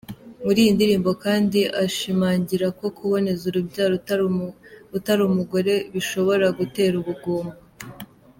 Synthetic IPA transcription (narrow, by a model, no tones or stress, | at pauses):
muɾiːjindiɾiːmbo̞kaːndiʔaʃimaːɲɟiɾako̞kʰuβo̞ne̞zuɾubɟaːɾ | utaɾumuɡo̞ɾe̞βiʃo̞βo̞ɾaɡute̞ːɾuβuɡoːmba